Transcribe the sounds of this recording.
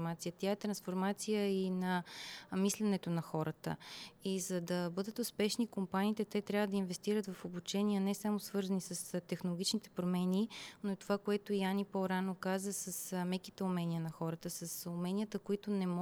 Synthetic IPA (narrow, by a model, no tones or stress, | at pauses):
mat̪sijət̪jaɛt̪ɾɐnsfoɾmat̪sijəinɐmislɛnɛt̪onɐxɔɾət̪ə̰izɐd̪ɐbɤd̪ət̪ʊspɛʃnikompaniːt̪ɛt̪ɛt̪ɾʲavəd̪ɐinvɛst̪iɾət̪vɐfobut͡ʃɛniənɛsamosvɤɾzənisəst̪ɛxnolˠoɡit͡ʃnit̪ɛ̥pɾomɛninoɛt̪ovakoɛt̪oianipoɾanokazəsəsmɛkit̪ɛʊmɛniənɐxɔɾət̪əsəsʊmɛnijət̪əkoit̪onɛmɔ